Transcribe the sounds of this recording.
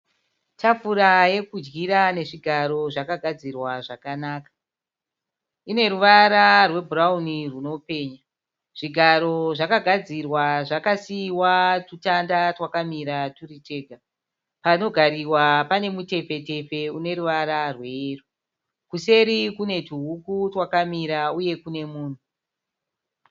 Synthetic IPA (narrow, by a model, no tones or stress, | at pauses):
tafuɾaje̞kud͡ʒɡiɾane̞ʐiɡʱaɾo̞ʐakaɡʱad͡zirwaʐakanaːkḁ | ine̞ɾuʋaɾarwe̞bʱurauniruno̞pe̞ːɲa | ʐ̥iɡʱaɾo̞ʐakaɡʱad͡zirwaʐakasiwatutandatwakamiɾaturite̞ːɡʱa | pano̞ɡʱaɾiwapane̞mute̞fe̞te̞fe̞une̞ɾuʋaɾarweru | kuse̞ɾikune̞tuɦukutwakamiɾauje̞kune̞muːn̤u